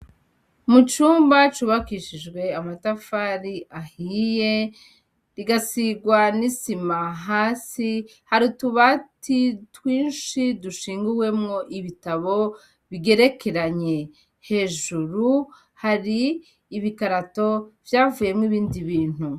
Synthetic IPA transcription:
mut͡ʃuːmbat͡ʃuβakiʃid͡ʒɡwe̞amatafaɾiʔahije̞ | ɾiɡasiɡwanisimaɦaːsi | haɾutuβatʰitwiːnʃiduʃiːŋɡuwe̞mŋo̞ʔiβitaβo̞ | βiɡe̞ɾe̞ke̞ɾaɲe̞ | he̞ːʒuɾu | haɾiː | βikaɾato̞vjaːvuːje̞mŋiβiːndiβiːn̥hu

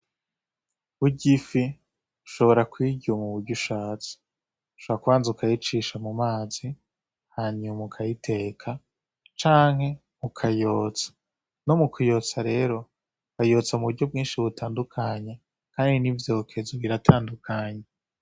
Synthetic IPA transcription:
βuɟifi | uʃo̞βo̞ɾakwiːɟomuβuɾɟuʃaːt͡si̥ | uʃoβoɾakuβaːnzaukʰajit͡ʃiʃamumaːzi | haːɲumukʰajitʰe̞ːkʰa | t͡ʃaːŋhe̞ | ukʰajo̞ːt͡sḁ | no̞mukʰujo̞ːt͡saɾe̞ɾo̞ | kajo̞ːt͡samuβuɾɟo̞b̚ɡiːnʃiβutaːndukʰaːɲe | kaːndinivjokʰe̞zuβiɾatʰaːndukʰaːɲe

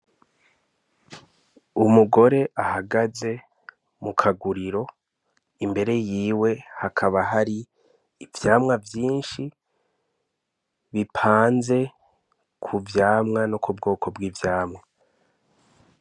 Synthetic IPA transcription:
umuɡo̞ɾe̞ʔahaɡaze̞ | mukʰaɡuɾiɾo̞ | imbe̞ɾe̞jiːwe̞hakʰaβaɦaɾiː | vjaːmŋavjiːnʃi | βipʰaːnze̞ | kʰuvjaːmŋanokubɡo̞ːkʰo̞bɡiːvjaːmŋa

